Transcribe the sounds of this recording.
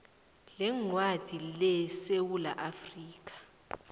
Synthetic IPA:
lɛŋwad̥ʱilɛsewulaʔafriːkʼḁ

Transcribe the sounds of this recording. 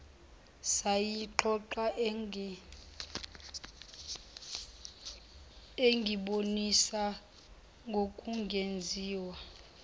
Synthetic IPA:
sajiǃʰɔǃa | eŋɡʱiɓonisa | ŋɡʱokʼuŋɡʱend͡zʱiːwa

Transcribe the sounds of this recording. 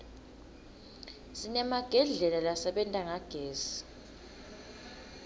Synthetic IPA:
sinɛmaɡ̥ʱɛɮɛlalasɛɓɛntʼaŋaɡ̥ʱeːzi̥

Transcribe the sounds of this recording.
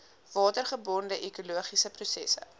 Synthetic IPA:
vɑːtərχəbɔndəʔɛkuluəχisəprusɛ̰sə̰

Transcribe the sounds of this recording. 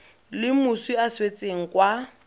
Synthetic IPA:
lɪmʊswiaswet͡sʼeŋ̩kwa

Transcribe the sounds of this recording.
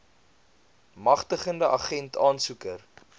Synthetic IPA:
mɐχtəχəndəʔɐχɛntʰɑːnsukər

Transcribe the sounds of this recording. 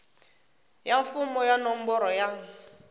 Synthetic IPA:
jaɱfumɔjanɔm̩bɔɾɔjaŋ̩

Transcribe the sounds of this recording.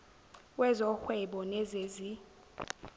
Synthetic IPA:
wɛzɔxwɛɓɔnɛzezi

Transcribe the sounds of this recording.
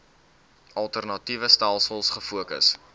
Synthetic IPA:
ɐlˠtərnɐtivəstælˠsəlˠsχəfuəkə̰s

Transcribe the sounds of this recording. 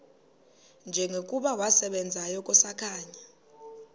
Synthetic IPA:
nd͡ʒʱɛŋekʼuɓawasɛɓɛnd͡zʱajɔkʼɔsakʰaːɲa

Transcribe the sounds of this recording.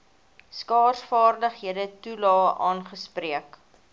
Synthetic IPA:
skɑːrsfɑːrdəχɦiədətulɑːʔɑːnχəspriək

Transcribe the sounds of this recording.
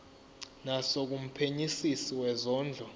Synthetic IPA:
nasok̬um̩pʰeɲisisiwɛzɔːnd͡ɮʱɔ

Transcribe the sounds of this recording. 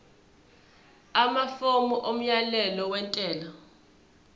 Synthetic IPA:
amafomuʔom̩jalɛlɔwɛntʼɛːla

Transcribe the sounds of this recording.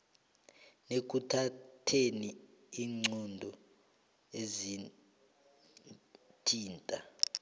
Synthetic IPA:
nek̬utʰatʰeni | iːŋ͡ǀɔndʱɔ | ezi | tʰiːntʼa

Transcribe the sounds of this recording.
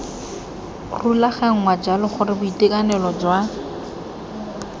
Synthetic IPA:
rulaχɛŋ̩ŋwad͡ʒalɪχʊrɪbʊitekʼanɛlɔd͡ʒwa

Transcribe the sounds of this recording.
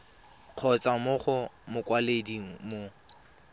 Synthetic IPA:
q͡χʰɔt͡sʼamʊχʊmʊkwalediŋ̩mo

